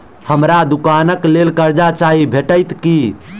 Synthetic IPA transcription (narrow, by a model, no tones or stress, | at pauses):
həmɾad̪ukanəklelkəɾd͡ʒat͡ʃaɦibʱeʈəɪt̪ki